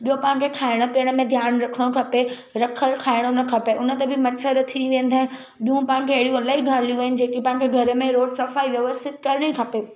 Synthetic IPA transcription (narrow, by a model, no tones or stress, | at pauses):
ɓijopãːɪ̃̆kʰekʰaːɪɽ̃opiəɽ̃ə̆mẽd̪ʱjaːnɾɐkʰəɽ̃okʰɐpe | ɾɐkʰəlkʰaːɪɽ̃onɐkʰɐpeʔʊnə̆t̪ɐbʱɪmɐtsəɾət̪ʰiʋẽːn̆d̪ʱaːɪnɪ | ɓijũpãːɦɪ̃ñ̆kʰeɦɐɽijũɐlaːɦiɡʱaːɾlijũʋeɦɪnɪ̆d͡ʑeːkipãːɦɪ̃kʰeɡʱɐɾəmẽɾoːɽsɐfaːiʋjɐʋəst̪ɪt̪̚kɐɾɪɽ̃ikʰɐpeː